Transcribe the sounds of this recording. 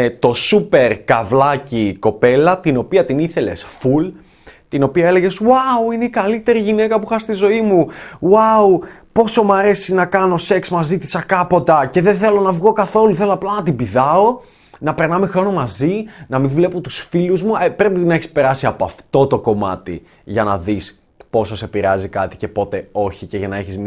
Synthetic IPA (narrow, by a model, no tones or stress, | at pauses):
t̪o̞supe̞ɾkɐvlɐciko̞pe̞lɐt̪ino̞piɐt̪iniθe̞le̞̰sful | t̪ino̞piɐe̞le̞ʝe̞swawine̞ikɐlit̪e̞ɾiʝine̞kɐpuxɐst̪izo̞imuwawpo̞so̞mɐɾe̞sinɐkɐno̞se̞ksmɐzit̪i̥sɐkɐpo̞t̪ɐce̞ðeθe̞lo̞nɐvɣo̞kɐθo̞luθe̞loɐplɐnɐt̪ibiðɐo̞ | nɐpe̞ɾnɐme̞xɾo̞no̞mɐzinɐmĩɱvle̞pot̪usfiluzmuepɾe̞pinɐeçi̥spe̞ɾɐsiɐpoɐft̪o̞t̪o̞ko̞mɐ̰t̪ḭ | ʝɐnɐ̰ðis | po̞sose̞piɾɐzikɐt̪i̥ce̞po̞t̪e̞o̞çice̞ʝɐnɐeçizmi